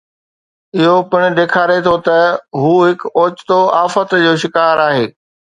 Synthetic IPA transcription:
ɪɦopɪɽ̃ɪ̆ɗ̪eːkʰaːɾet̪ʰot̪ɐɦuːɦɪkoːt͡ɕt̪oaːfət̪d͡ʑoːʃɪkaːɾaːɦeː

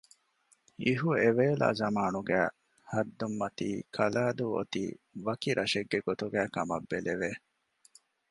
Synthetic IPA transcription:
iɦueʋeːla̰ːzɐmaːnuɡæː | hɐd̪ːumːɐt̪ḭːkʰɐlaːd̪uo̰t̪ḭːʋɐkiɾʔɐʃeɡːeɡot̪uɡæːkɐmɐ̰bːeleʋe

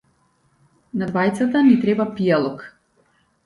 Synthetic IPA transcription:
nad̪vajt̪sat̪anit̪ɾɛbapialˠɔk

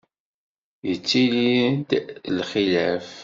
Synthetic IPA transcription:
jət͡sːilid̪lχilæf

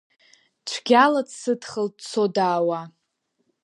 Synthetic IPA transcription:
t͡ʃʷʰɡʲaladsɨdχəlt͡sʰodaːwa

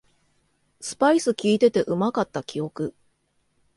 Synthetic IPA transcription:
sɨ̥paisɨkʲiːt̪e̞t̪e̞ʔɯ̟makat̪ːakʲijo̞kɯ̟

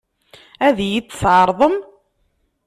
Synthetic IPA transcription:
æðjidθʕəɾˤðˤəm

